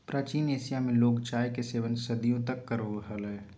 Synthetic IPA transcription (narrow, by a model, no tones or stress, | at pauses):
pɾaːt͡ʃiːneːsijamẽloːkt͡ʃaːekeseːʋənsɐd̪ijõt̪əkːəɾoɦəlɛː